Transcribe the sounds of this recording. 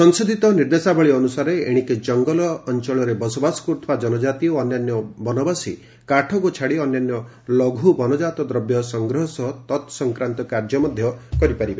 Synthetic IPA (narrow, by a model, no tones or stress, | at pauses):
sɔnsod̪ʱit̪ɔniɾd̪esabʱɔɭiːnusaɾeḛɽ̃iked͡ʒɔŋɡɔlɔːnt͡ʃɔɭɔɾebɔsɔbasɔ̥kuɾt̪ʰɔbad͡ʒɔnɔd͡ʒat̪ioɔnjanjɔbɔnɔbasi | kaʈʰɔkut͡ʃʰaɽiɔnjanjɔ | lɔɡʱubɔnɔd͡ʒat̪ɔd̪ɾɔbjɔsɔŋɡɾɔɦɔsɔt̪ɔt̪sɔŋkɾant̪ɔkaɾd͡ʒɔmɔd̪ʱjɔkɔɾipaɾibe